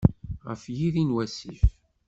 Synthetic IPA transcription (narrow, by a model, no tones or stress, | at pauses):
ʁə̰fjiðinwæsif